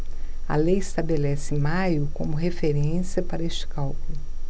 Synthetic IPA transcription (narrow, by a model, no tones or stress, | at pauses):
ɐ̰lejɪst̪abelɛsɪmajʊkõ̰mʊɦefeɾẽsiɐpaɾɐest͡ʃɪ̥kawkʊlʊ